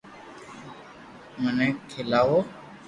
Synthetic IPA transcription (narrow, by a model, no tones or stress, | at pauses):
məneːkʰɪlaːʋoː